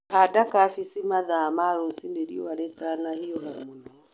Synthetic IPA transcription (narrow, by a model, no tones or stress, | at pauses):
adakafisimaðamaɾosindeɾḭɔaɾɛtanahiɔɦɛmunɔ